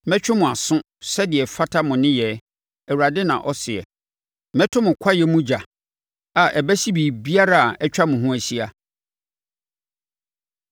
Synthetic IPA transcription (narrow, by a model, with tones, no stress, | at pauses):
mɛ̃˦t͡ɕᶣɪ˦mʊ̃˨a˨sʊ̃˦ | sɛ˦dɪ˨ɛ˨fa˦tʰa˦mʊ̃˨nɪ̃˦jɛ˨ | ɛ˨wu˨ɾa˨dɪ˦nã̰˨ʔɔ˦sɪ˨ɛ̰˨ | mɛ̃˦tʰʊ̃˦mʊ̃˨kʷʰa˦jɛ˦mũ˦d͡ʑa˨ | a˨ʔɛ˨bæ˦si˦biː˨bi˦a˦ɾa˦a˨ʔɛ˦t͡ɕᶣa˦mʊ̃˨ɦũ˦æ˨ɕi˦a˨